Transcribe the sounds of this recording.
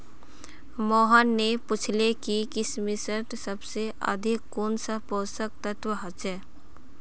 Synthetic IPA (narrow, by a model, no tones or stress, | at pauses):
mɔːɦənːepʊt͡ʃʰlekikɪsmɪsəʈsəbseʔə̰d̪ʱɪkːoːnsəpoːsək̚t̪ət̪ʋəɦət͡ʃɛː